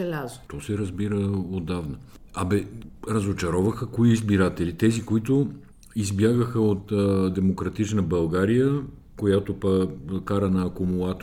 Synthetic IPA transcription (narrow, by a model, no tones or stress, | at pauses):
ɛlʲazot̪ɔsɛɾɐzbiɾəod̪ːavnə | ɐbɛɾɐzot͡ʃɐɾɔvəxəkoiizbiɾat̪ɛlit̪ɛzikoit̪o | izbjaɡəxəot̪ːd̪ɛmokɾɐt̪it͡ʃnəbɐlˠɡaɾijə | kojat̪opəkaɾənɐːkomulˠat̪